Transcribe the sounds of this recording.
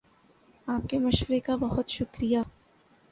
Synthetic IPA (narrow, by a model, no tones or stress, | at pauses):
aːp̚kemɐʃwəɾekabɐɦʊt̪ʃʊkɾija